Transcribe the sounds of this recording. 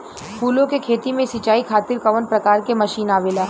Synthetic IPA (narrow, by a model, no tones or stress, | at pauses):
pʰuːlõkekʰeːt̪imẽsɪt͡ʃaːikʰaːt̪ɪɾkɐʋənpɾɐkaːɾkemɐʃiːnaːʋeːlaː